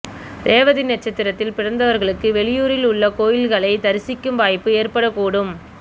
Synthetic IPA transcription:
d̪eːʋɐðɪnːɛʈt͡ʃːɐt̪ːɪɾɐt̪ːɪlpɪrɐnd̪ɐʋɐɾɣɐɭɯkːɯʋɛɭɪjuːɾɪlʊɭːɐkoːjɪlɣɐɭɐɪt̪ɐɾɪsɪkːɯmʋaːjpːɯeːɾpɐɽɐkːuːɽɯm

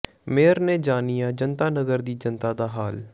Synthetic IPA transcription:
meːəɾneːd͡ʒaːnijaːd͡ʒənt̪aːnəɡəɾd̪iːd͡ʒənt̪aːd̪aːɦaːl

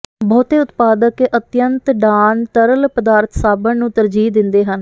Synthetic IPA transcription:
bɔːt̪eːʊt̪paːd̪əkːʔət̪jənt̪ɖaːnt̪əɾəlpəd̪aːɾt̪ʰsaːbənnũːt̪əɾd͡ʒiːd̪ɪnd̪eːɦən

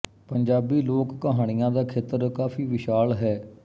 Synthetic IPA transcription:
pəɲd͡ʒaːbiːloːkːəɦaːɽ̃ɪjãːd̪aːkʰeːt̪əɾkaːfʰiːʋɪʃaːlɦɛː

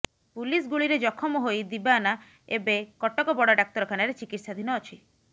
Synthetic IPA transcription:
pulisɡuɭiɾed͡ʒɔkʰɔmɔɦojd̪ibana | ebekɔʈɔkɔbɔɽaɖak̚t̪ɔɾɔkʰanaɾet͡ʃikiʈsad̪ʱinɔːt͡ʃʰi

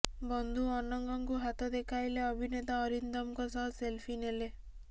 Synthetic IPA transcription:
bɔnd̪ʱuɔnɔŋɡɔŋkuɦat̪ɔd̪ekʰajleɔbʱinet̪aɔɾind̪ɔmkɔsɔɦɔselpʰinele

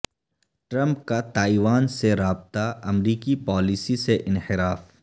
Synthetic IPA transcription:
ʈɾɐ̃mp̚kat̪aːiʋaːnseɾaːb̚t̪aɐmɾiːkipɔːlisiseʔɪnhɪɾaːf

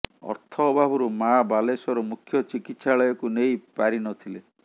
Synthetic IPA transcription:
ɔ̰ɾt̪ʰɔbʱabuɾumabalesɔɾɔmukʰjɔt͡ʃikit̪saɭɔjɔkunejpaɾinɔt̪ʰile

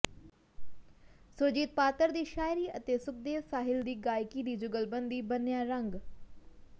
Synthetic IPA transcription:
sʊɾd͡ʒiːt̪̚paːt̪əɾd̪iːʃaːjɪɾiːət̪eːsʊk̚d̪eːʋsaːɦɪld̪iːɡaːjkiːd̪iːd͡ʒʊɡəlbənd̪iːbənjaːɾəŋɡ

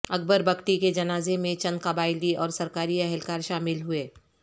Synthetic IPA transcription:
ɐk̚bəɾbɐkʈiked͡ʒɐnaːzemẽt͡ʃɐ̃nd̪kɐbaːɪliʔɔːɾsɐɾkaːɾiɛɦɛlkaːɾʃaːmɪlɦʊeː

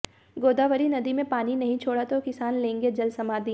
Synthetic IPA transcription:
ɡoːd̪aːʋəɾinɐd̪imẽpaːninɐɦĩt͡ʃʰoːɽat̪okɪsaːnlẽːŋɡed͡ʒɐlsɐmaːd̪i

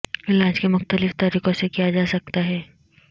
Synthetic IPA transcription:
ɪlaːd͡ʒkemʊxt̪əlɪft̪aɾiːqosekijad͡ʒaːsɐk̚t̪aɦɛː

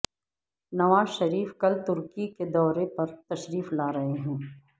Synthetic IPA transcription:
nɐʋaːzʃɐɾiːfkɐlt̪ʊɾkiked̪ɔːɾepɐɾt̪ɐʃɾiːflaːɾɐɦeɦɛ̃ː

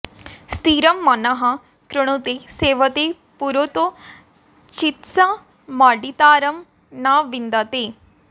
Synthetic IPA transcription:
st̪iːɾəmːanaɦã | kɾʊɽ̃õːt̪eseːʋət̪e | puɾot̪õ | t͡ʃɪt̪sãː | maːɖit̪aːɾəm | nãːʋɪ̃nd̪at̪eː

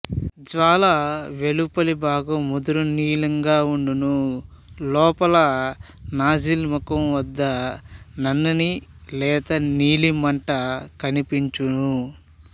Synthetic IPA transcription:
d͡ʒʋaːlɐʋelupɐlibaːɡɐmud̪uɾuniːlɐŋɡaːuɳɖunu | lɔːpɐlɐ | naːd͡ʒilmukɐmʋɐd̪ːɐnɐnːɐnilɛːt̪ɐniːlimɐɳʈɐkɐnipiɲt͡ʃunu

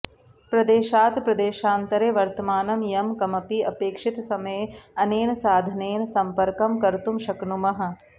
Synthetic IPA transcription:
pɾɐd̪eːʃaːt̪pɾɐd̪eːʃaːnt̪ɐɾeːʋɐɾt̪ɐmaːnɐmjɐmkɐmɐpiɐpeːkʂit̪sɐmɐjeɐneːnɐsaːd̪ʱɐneːnɐsɐmpɐɾkɐmkɐɾt̪umʃɐknumɐɦɐ̆

